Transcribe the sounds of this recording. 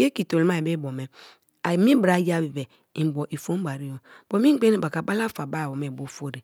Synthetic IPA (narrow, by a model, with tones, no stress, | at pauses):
je˦ki˨to˨lma˦e˨be˦bo˨me˨ | a˨mi˦bɾa˦ja˦bi˨be˨ | i˨m˨bo˨ʔi˨fo˦m˦ba˨ɾi˦jo˨b̥o˨mi˦ɡ͡be˦ni˦ba˨ka˨ba˦la˦fa˨ba˦˨bo˨me˨bo˦fo˦ɾe˨